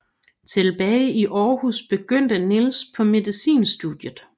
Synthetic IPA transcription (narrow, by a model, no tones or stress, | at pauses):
t͡sʰe̝lb̥ɛɪiʔɒːhusb̥e̝ɡ̥øn̰d̥ənilspʰɒ̽me̝ðˠisḭːnsd̥ud̥jəð̩ˠ